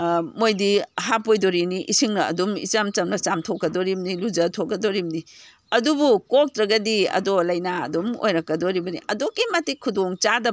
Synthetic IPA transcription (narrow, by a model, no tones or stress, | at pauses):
mojdiɦapojdoɾiniʔisiŋnɐɐ̰dumḭt͡ʃɐmt͡ʃɐmnɐt͡ʃamtʰokːɐdoɾimnilud͡ʒɐtʰokːɐdoɾimni | ɐdubukok̚tɾɐɡɐdiɐ̰dolɐjnaɐ̰dumo̰jɾɐkːɐdoɾibɐnḭʔɐdokːimɐtikʰːudoŋt͡ʃadɐ